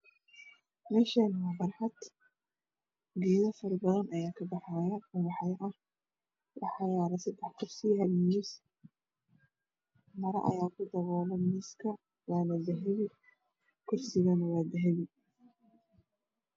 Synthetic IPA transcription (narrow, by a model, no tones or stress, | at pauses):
mɛːʃɐnɐwɑbɐrħɑd̪ | ɡiːðɐfɐrbɐðɐnʔɐjaːkʰɐbɑħajɐʊwɑħɑjɐʔɐh | wɑħɑjaːɾɐsɐd̪ɛħkʰʊrsɪhɐlmiːs | mɐɾɐ̰ʔɐ̰jaːkʰʊd̪ɐβɔːlɛmiːskʰɐ | waːnɐbɐɦɛjɪ | kʰʊrsɪɣɐnɐwaːd̪ɐɦɛjɪ